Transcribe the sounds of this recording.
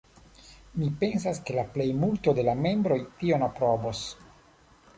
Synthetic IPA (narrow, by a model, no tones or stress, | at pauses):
mipe̞ns̬aske̞laple̞jmulto̞de̞lame̞mbɾo̞jtio̞napɾobos